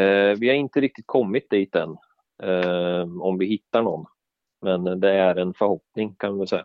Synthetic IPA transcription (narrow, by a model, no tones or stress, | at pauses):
vɪhaɾɪnt̪əɾɪk̚t̪ɪt̪̚kʰɔmːɪt̪̚d̪iːt̪̚d̪ɛn | ɔmvɪhɪt̪ːaɳɔnː | mɛnd̪ɛæɾɛnfœɾhɔpnɪŋkʰanʋɪvɪlsɛ̰jːa